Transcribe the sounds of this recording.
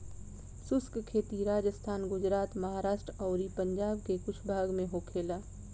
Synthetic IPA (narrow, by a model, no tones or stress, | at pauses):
sʊskkʰeːt̪iɾaːd͡ʒəst̪ʰaːnɡʊd͡ʒɾaːt̪mɐɦaːɾaːʃʈɾɔːɾipə̃ɲd͡ʒaːbkekʊt͡ʃʰbʱaːɡmẽɦoːkʰeːlaː